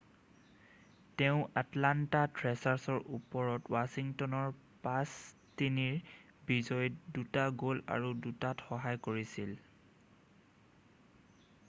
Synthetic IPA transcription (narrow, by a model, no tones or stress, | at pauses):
teʊ̃ʔatlantatɹɛsaɹsɔɹʔupɔɹɔtwasiŋtɔnɔɹ | pastiniɹ | bizɔjdutaɡola̰ɹudutatxɔɦajkoɹisil